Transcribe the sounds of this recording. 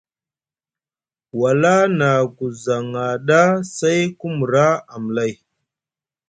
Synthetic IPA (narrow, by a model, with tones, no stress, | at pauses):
wa˨la˦na˨ku˨za˨ŋa˨ɗa˦sa˦jku˦mu˨ɾa˦a˨m˨la˦˨j